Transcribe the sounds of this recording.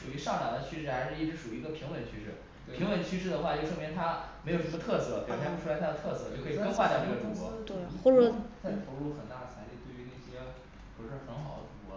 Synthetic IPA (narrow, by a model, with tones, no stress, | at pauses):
ʂu˨˩y˧˥ʂɑ˥˩ŋʈ͡ʂɑ˨˩d̪ə˦t͡ɕʰy˥ʂɻ̩˥˩xa˧˥ɪʂɻ̩˥˧i˥˩ʈ͡ʂɻ̩˧˥ʂu˨˩y˧˥˧ɡə˧pʰi˧˥ŋwə˧˥nt͡ɕʰy˥ʂɻ̩˥˩ | pʰi˧˥ŋwə˧˥nt͡ɕʰy˥ʂɻ̩˥˩d̪ə˩xwa˥˧t͡ɕjo˥˧ʊʂɤ˥˧˩mjɛ˧˥nt̪ʰa˥m˧˥ɪjʂmə˧t̪ʰɤ˥˧sɤ˥˩i˨˩ɻʊ˧˥˩ʂʰa˥˩d̪ə˩t̪ʰɤ˥˧sɤ˥˧t͡ɕjo˥˩ʊkʰo˥xwa˥˧tjɑ˥˧ʊna˥˩ɡə˩ʈ͡ʂu˧˥˧kwɔ̰˧˥t̪we˥˩xɔ˥˧ɻə˥˩t͡sa˥˩ɪ˩t̪ʰo˧˥ʊlu˥˩xə˨˩nt̪a˥˩t͡sʰa˧˥ɪli˥˩t̪we˥˩ɪy˧˥ne˥˩ɕjɛ˥ | u˧˩˧ʂɻ̩˥˩xə˧˥nxɑ˨˩ʊd̪ə̰˦ʈ͡ʂu˧˥kwɔ˧˥